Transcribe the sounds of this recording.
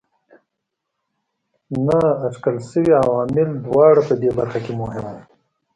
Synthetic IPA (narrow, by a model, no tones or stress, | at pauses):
naːt͡ʃkəlsəwiawɑːmɪld̪wɑːɽapəd̪ebaɾxakemʊɦɪm